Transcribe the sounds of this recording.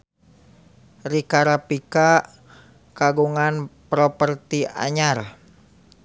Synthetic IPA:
ɾikaɾapika | kaɡuŋanpɾɔpərt̪iʔa̰ɲar

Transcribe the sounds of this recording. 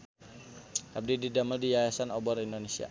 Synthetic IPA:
ʔab̚dididaməldijajasanɔbɔɾindonesia̰

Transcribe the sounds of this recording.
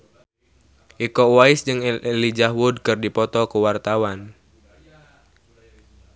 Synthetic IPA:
ʔikɔwaɪsd͡ʒɨŋlid͡ʒahwudkɨrdipɔt̪ɔkuwart̪awan

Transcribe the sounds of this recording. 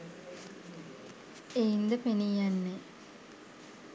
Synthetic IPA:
ejind̪əpenijanːe

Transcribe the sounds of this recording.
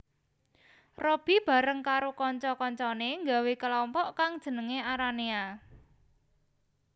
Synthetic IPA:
rɔb̥i̤b̥a̤ɾəŋkaɾokɔɲt͡ʃɔkɔɲt͡ʃɔneŋɡawekəlɔmpɔʔkaŋd̥ʒ̥ə̤nəŋeaɾania

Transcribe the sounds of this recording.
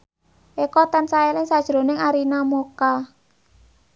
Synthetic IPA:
ʔekɔt̪ansaelɪŋsad̥ʒ̥ɾo̤nɪŋaɾinamoka

